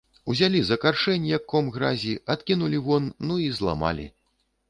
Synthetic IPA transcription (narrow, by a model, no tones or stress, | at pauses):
uzʲalʲizɐkarʂɛnʲijɐkːɔmɣɾazʲiat̪kʲinulʲivɔnːuizlˠa̰ma̰lʲḭ